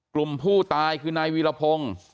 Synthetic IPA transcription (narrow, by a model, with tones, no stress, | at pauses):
klu˨˩mpʰuː˥˩t̪aː˧jkʰɯː˧naː˧jwiː˧˥la˧pʰo˧ŋ